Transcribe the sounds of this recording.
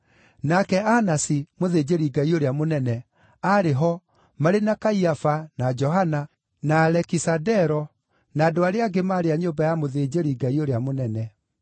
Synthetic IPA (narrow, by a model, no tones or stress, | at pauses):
nakɛanasimoðed͡ʑeɾiɡaioɾeamonɛnɛ | aɾeɦɔ | maɾenakaiafanad͡ʒɔɦana | naːlɛkisadɛɾɔ | naːdoaɾeaɡemaːɾeaɲombajamoðed͡ʑeɾiɡaioɾeamonɛnɛ